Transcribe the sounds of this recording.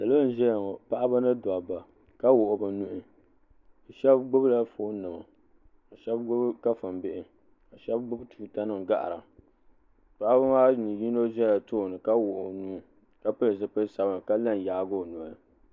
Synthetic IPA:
sa˨lo˦n̩˦ʒɛ˦jŋo˨pa˦ʔa˦ba˦nɨ˦da˨ba˨ | ka˦wʊ˨ʔʊ˨bɨ˨nu˦ʔɪ˦˨ | ʃɛ˦bɡ͡bʊ˦bla˦foː˦nɨ˨ma̰˨ | a˨ʃɛ˦bɡ͡bʊ˦bka˦fɨ˨mbɪ˦ʔɪ˨ | ka˨ʃɛ˦bɡ͡bʊ˦btʰu˨ta˦nɨ˦m˨ɡa̰˦ʔa̰˨ɾa˨ | pa˦ʔa˦ba˦maː˦nɨ˨ji˦no˦ʒɛ˦la˨to˦˨nɨ˨ka˦wʊ˨ʔʊ˨nuː˦ | ka˦pɨ˦lɨ˨s̬ɨ˦pɨ˦sa˨ba˦˨m˨ka˦la˦n˨jaː˨˦ɡo˦˨nu˨a˨lɨ˨

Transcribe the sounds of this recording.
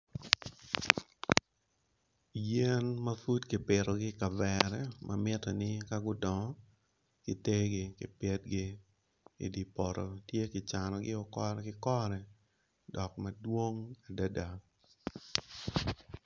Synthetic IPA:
jɛ˦nmɐ˦fu˦tkɪ˨pɪ˨ɾɔ˨ɡɪ˦ka˨vɛɾɛ˦mʔa̰mɪ˦tɔ˨nɪ˦ka˦ɡʊ˦dɔ˨ŋɔ˦ | kɪ˨te˦ɡɪ˦kɪ˨pɛ˦t̚ɡɪ˦ | ḭ˨di˨pɔ˨ɾɔ˨tje˦kɪ˨t͡ʃa˨nɔ˨ɡɪ˦ɔ˨kɔ˦kɪ˦kɔ˦ɾɛ˨ | dɔ˨k̚mɐ˨dwo˦ŋa˨da˦da˨

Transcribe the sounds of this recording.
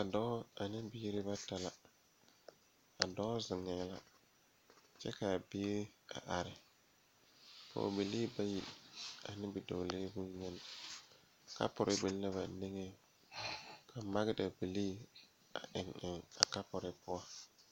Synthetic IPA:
ka˨dɔː˦a˨nɪ˦biː˦ɾɪ˦ba˦ta˨la˨ | a̰˨dɔ˦zɪ˨ŋɛ˨la̰˦ | t͡ʃɛ̰˦ka˨bɪː˦ɾɪ˦a̰˨ʔa˨ɾɪ˨ | pɔ̰˨bi˨liː˦ba˦ji˨a˨nɪ˦bɪ˨do˨leː˦bu˦ɲɛ˦n˨ | ka̰˦pʊ˨ɾʔɪ˦bɪ˨lla˦βa˨ne˦ŋe˦˨ | kʰa˨ma˦ɡɪ˦da˨bi˨liː˦ | a̰˨ʔɪ˨ŋɪ˨ŋa̰˨ka˦pʊ˨ɾɪ˨pʊ˦wa˦

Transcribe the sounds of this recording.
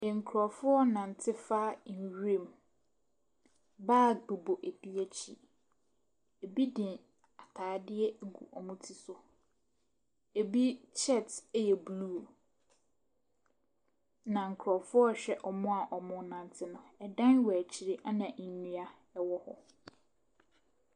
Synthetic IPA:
ŋ̩˨kʰɾɔ˨fʊ˦ɔ˦nã˨n˨tʰɪ˦fa˦˨n̩˨ɥẽ˨m | baː˦˨bu˨bo˨ʔæ˨du˦æ˦t͡ɕʰḭ˨ | e˨bi˦dɪ̃˨ | a˨tʰaː˨dɪ˦ɛ˦˨ɡṵ˨ʔɔ˨mʊ̃˦tʰi˦sʊ˨ | e˨bi˦t͡ɕʰɛ˦˨tjɛ˨bluː˦˨ | nã˨ŋ̩˨kʰɾɔ˨fʊ˦ɔ˦ɕᶣɛ˦ʔɔ˨mʊ̃˦a˨ʔɔ˨mʊ̃˨˦nã˨n˨tʰɪ˦nʊ̃˨˦ɛ˨dã˦nwɛ˨t͡ɕʰi˨ɾi˦ʔa˦nã˨ʔ̩˨nũ˦a˦ | ɛ˦wɔ˦hɔ̰˦

